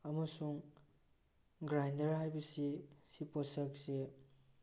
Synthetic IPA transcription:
ɐmɐsuŋ | ɡɾajndɐɾɦajbɐsisipɔsɐk̚se

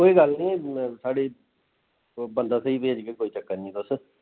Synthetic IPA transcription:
koːiːɡəlnĩːsaːɽeː | bənd̪aːsəiːbeːd͡ʒkeːkoːiːt͡ʃəkːanĩːd̪ʊs

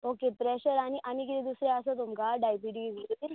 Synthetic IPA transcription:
okepɾeɕəɾaɽ̃iʔanik̬it̪id̪usɾeəsət̪umkaɖajpiʈiziɾ

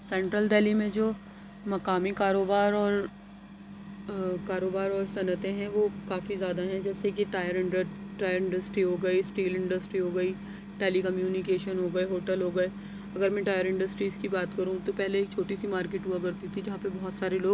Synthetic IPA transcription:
sɛ̃ːɳʈɾəlɖɛːlimẽd͡ʒoː | mɐkaːmikaːɾoːbaːɾɔːɾ | kaːɾoːbaːɾɔːɾsɐnət̪ẽɦɛ̃ʋoːkaːfizjaːd̪aɦɛ̃d͡ʒɛːsekiʈaːjəɾɪ̃ɳɖəʈaːjəɾɪ̃ɳɖəsʈɾiɦoːɡɐisʈiːlɪ̃ɳɖəsʈɾiɦoːɡɐiː | ʈeːlikɐmjuːnɪkeːʃənɦoːɡɐeɦoːʈəlɦoːɡɐeː | ɐɡəɾmɛ̃ʈaːjəɾɪ̃ɳɖəsʈɾiːzkibaːt̪kɐɾũt̪opɛɦleeːk̚t͡ʃʰoːʈisimaːɾkeːʈuakɐɾt̪it̪ʰid͡ʒɐɦãpebɔɦɔt̪saːɾeloːɡ

